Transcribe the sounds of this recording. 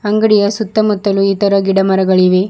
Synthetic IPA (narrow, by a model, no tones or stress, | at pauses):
ɐŋɡɐɽijɐsut̪ːɐmut̪ːɐluit̪ɐɾɐɡiɽɐmɐɾɐɡɐɭiʋe